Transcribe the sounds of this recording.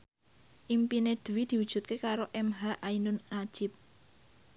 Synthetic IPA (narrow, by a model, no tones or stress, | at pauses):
ʔimpined̪̥uwid̪̥i̤wud̥ʒ̥ṳt̪̚kekaɾoʔɛmɦaʔainʊnːḁʒ̥ɪp̚